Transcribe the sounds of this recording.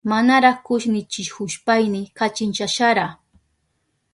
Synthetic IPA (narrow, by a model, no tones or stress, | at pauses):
manaɾaχkʊʃnɪt͡ʃɪʃhʊʃpajnɪkat͡ʃɪnt͡ʃaʃaɾa